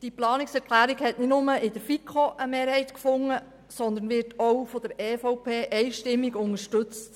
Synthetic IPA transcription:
d̥iplɑːnɪksɛɾkʰlæːɾiɡhɛtnɪtnʊməɪd̥̪əɾfikʰχoʔəmeːɾhɛɪtkfʊŋːə | sɔnd̪ənʋɪɾtʰɔwfɔd̥̪əɾɛːfɔʊpʰeːʔɛɪʃtɪmːiɡʊŋəɾʃtɵt͡st

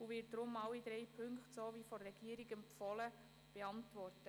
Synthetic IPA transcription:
uʋɪt̚d̥ɾʊmːɑwid̥̪ɾɛjpʰɵŋkχtsoːʋiːfɔɛɡ̥iːəɾiɡəmpfɔlə | b̥eɑntʋɔrtə

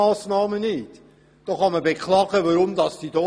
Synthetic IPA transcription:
ɑːsnɑːmənɪt | d̥oχɑməbekχlɑːɡ̥əʋaɾʊmd̪ɑsd̥id̥ɔ

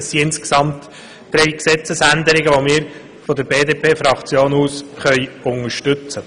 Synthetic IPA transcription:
siɪnske̥sɑmt̪ | d̪̥ɾɛjksɛt͡səsænd̪əɾɪɡəʋomɪːɾ | fɔd̪əɾbeːd̪eːpʰeːfɾɑkt͡sjoːnuːsχœɪʊŋəɾʃtʏt͡sə

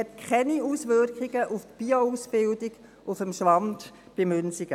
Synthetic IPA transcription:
ɛtkʰχɛniuːsʋʏɾkχiɡ̥əʔuftb̥iːouːsb̥ɪldiɡ | ʔʊfəmʃʋɑnd | b̥ɪmønsiɡ

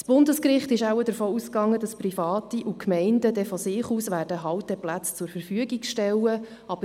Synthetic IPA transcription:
sb̥ʊndəskrɪχtɪʃæwədəɾfoːuskɑŋːəd̥ɑsprifɑːtiʔukʰmɛɪndədɛfɔsɪːχuːsʋæːɾd̥əɦɑwt̚d̥ɛplæt͡st͡sʊɾfəɾfyəɡikʃtɛlːə | ɑb̥ə

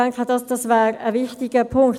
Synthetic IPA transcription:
ɛŋkχəd̥ɑsd̥ɑsvɛːɾəvɪχtɪɡ̥əpʰʊŋkt

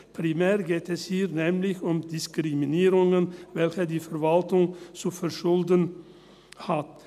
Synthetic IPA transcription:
pʰɾɪmæːɾɡeːt̪ɛshiːɾnɛmlɪçʊmd̪ɪskɾɪmɪneːɾʊŋənʋɛlçəd̪iːfœɾʋɑlt̪ʊŋsuːfɔɾʃʊld̪ən | hat̪

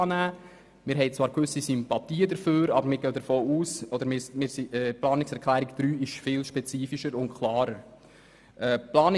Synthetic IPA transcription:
ɑːnæː | mɪːɾɦɛɪt͡sʋɑːɾkʋʏsisympɑt̪iːədəɾføːɾɑbəɾmɪːɾɡœʊd̪əɾfoːuːsɔd̪əɾmɪmɪːɾsiɛːplɑːnɪksɛɾkʰlæːɾikd̥̪ɾyːɪʃfɪːlʃpɛt͡siːfiʃəɾʊnkʰlɑːɾəɾ | ʔɛːplɑːn

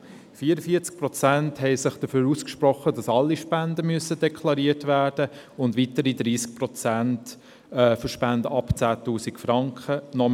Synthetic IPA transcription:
fiːɾəfiət͡sk̚pɾɔt͡sænthɛɪsɪχd̥əføːɾuːskʃpɾɔχədɑsɑlːiʃpændəmyəsəd̥ɛkʰlɑɾiətvæːɾd̥əʊndʋitəɾidɾiːsk̚pɾɔt͡sænt | ɛfəʃpændəɑpt͡sæːtuːsikfɾɑŋkχənɔ

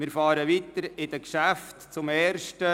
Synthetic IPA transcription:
mɪːɾfɑːɾəʋit̪əɾɪd̥̪əkʃæftt͡sʊmɛːrʃtə

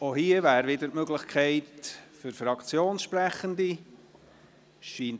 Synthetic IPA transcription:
ohiəvæːɾvɪdətmøɡlɪχkʰɛɪtfʏɾfɾɑkt͡sjoːnsʃpɾæχəndi | ʃiːn

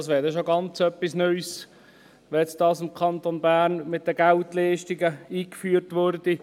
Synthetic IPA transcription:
sʋɛːdɛʃoɡɑnt͡sœpːisnœʏs | ʋɛɛt͡std̥ɑːsɪmkʰɑnt̪onbæːrnmɪt̪̚d̪əɡæltlɛɪʃtiɡəiːkfyːərtʋʊrdi

